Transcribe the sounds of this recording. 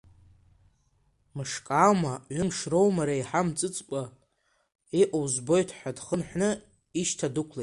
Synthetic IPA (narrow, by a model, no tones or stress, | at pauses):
mɨʂkʼawmaʕʷɨmʂrowmaɾajħamt͡sʼɨt͡sʼkʷʼa | eʔʼowzbo̞jtʰħʷᶣadχənħʷnɨ | iʃtʰadukʷʰle